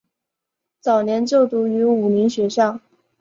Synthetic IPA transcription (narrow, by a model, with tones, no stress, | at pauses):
t͡sɑ˨˩ʊnjɛ˧˥nt͡ɕjo˥˩ʊt̪u˧˥y˧˥u˨˩ni˧˥ŋɕɥɛ˧˥ʂɑ˥˩ŋ